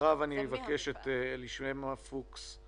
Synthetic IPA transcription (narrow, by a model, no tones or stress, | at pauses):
avanievake̞ʃetːliʃmemafuks